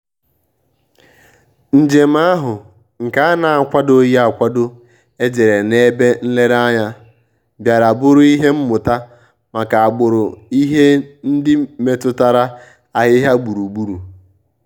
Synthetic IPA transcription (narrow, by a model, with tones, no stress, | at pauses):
n̩˨d͡ʒe˨m̩˦a˦ɦʊ˨ | ŋ̩˨ka˦a˦na˨a˨kʷa˦do˦ji˦a˨kʷa˦dʊ˦ | e˦d͡ʒe˨ɾe˨ne˦be˦n̩˦le˦ɾa˦ɲa˦ | bja˨ɾa˨bʊ˦ɾʊ˦i˦ɦe˦m̩˦mʊ˨ta˦ | ma˨ka˨a˨ɡ͡bʊ˨ɾʊ˨i˦ɦe˦n̩˦dɪ˦me˨tʊ˦ta˦ɾa˦ | a˨ɦɪ˦ɦa˦ɡ͡bu˨ɾu˨ɡ͡bu˦ɾu˨